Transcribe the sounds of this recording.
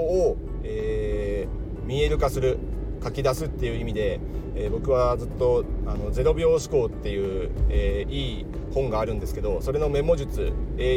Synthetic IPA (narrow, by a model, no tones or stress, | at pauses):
eː | mʲie̞ɾɯ̟kasɨɾɯ̟ | kakʲid̪asɨt̪ːe̞jɯ̟imʲid̪e̞ | eːbo̞kɯ̟βad͡zɨt̪ːo̞ano̞d͡ze̞ɾo̞bʲjo̞ːɕi̥ko̞ːt̪ːe̞jɯ̟ːeiː | hõ̞ŋɡaːɾɯ̟̃nd̪e̞sɨ̥ke̞d̪o̞so̞ɾe̞no̞me̞mo̞ʑɨt͡sɨ̰e